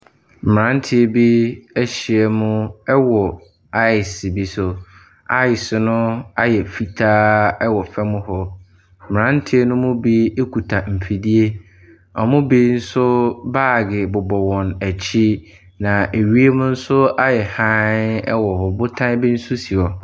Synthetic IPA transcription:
m̩˨ɾã˦n˦tʰɪ˦e˦bi˦æ˦ɕi˨ɛ˨mʊ̃˦ɛ˦wɔ˨ | a˦ɪ˨sbi˦sʊ˨ | a˦ɪ˨sɪ˨nʊ̃˦a˦jɛ˨fi˨tʰaː˦ɛ˦wɔ˨fɛ˦mʊ̃˦ɦɔ˦˨ | m˨ɾã˦n˦tʰɪ˦e˦nʊ̃˦mʊ̃˦bi˦e˦kʰu˨tʰa˨m̩˨pʰi˨di˦e˦ | ɔ˨mʊ̃˦bi˦n̩˦sʊ˦baː˦˨ɡɪ˨bʊ˨bɔ˨wɔ̃˨næ˨t͡ɕʰi˦ | nã˨e˨ɥi˦e˦mʊ̃˦n̩˦sʊ˦a˦jɛ˨hã˦nɛ̰˦wɔ˨hɔ˨bʊ˦tʰã˦bi˦n̩˦sʊ˦si˨ɔ˨

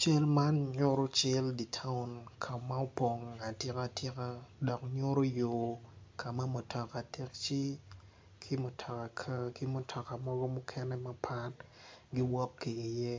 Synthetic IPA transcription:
t͡ʃe˦lma˦nɲo˦ɾo˦t͡ʃɛ˦ldi˨tʰa˦ʊ˦˨nkʰa˨ma˦o˦po˨ŋa˨tɪ˦ka˨tʰɪ˦ka˦dɔ˨kɲo˦ɾo˦jo˨kʰa˨ma˦mo˨tʰɔ˨ka˨tʰe˦k̚t͡ʃi˦ | kʰi˦mo˨tʰɔ˨ka˨kʰa˦ki˦mo˨tʰɔ˨ka˨mɔ˦ɡɔ˦mʊ˦kʰɛ˦nɛ˦ma˦pʰa˦tɡɪ˦wɔ˦kːiː˨jɛ˦

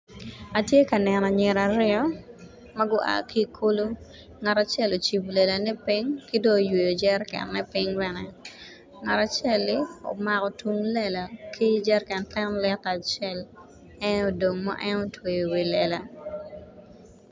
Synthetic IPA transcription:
a˨tje˦ka˨nɛ˨nɔ˨ɲɪ˨ɾa˨ɾɪ˦ɔ˦ | mɐ˦ɡʊ˦ʔa̰˨ki˦kʰo˦lo˦ | ŋa˨ta˨t͡ʃɛ˦lo˨t͡ʃi˨blɛ˨la˨nɛ˦pi˦ŋki˦do˦˨jwe˨jo˨d͡ʒɛ˦rkɛ̰˨nːɛ˦pɪ˦ŋbɛnɛ˨ | ŋa˨ta˨t͡ʃɛ˦lːɪ˦o̰˨ma˨kɔ˨twu˦ŋlɛ˦la˨kʰi˦d͡ʒɛ˦rkɛ˨ntɛ˦nlɛ˦ta˨t͡ʃɛ˦l | ɛ˦no˨do˨ŋma̰˦ʔɛ˦no˦twe˨jo˨wi˨lɛ˨la˨

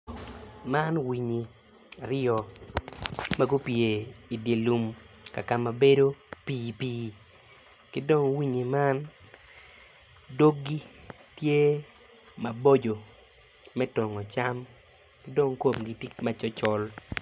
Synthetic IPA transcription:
ma˦nwi˨ɲi˨ | a˨ɾɪ˦ɔ˨ | ma˦ɡu˦pje˨i˨dje˨lu˨m | ka˨ka˨ma˨be˦do˦piː˦piː˦ | kɪ˦do˦ŋwi˦ɲi˨ma˦n | do˦ɡi˦ | tje˦ | mɐ˨bo˦d͡ʒo˨ | mɛ˦tɔ˨ŋɔ˨t͡ʃa˦m | kɪ˦do˦ŋko˨mɡi˨ti˦ma˨t͡ʃɔ˦t͡ʃɔ˦l

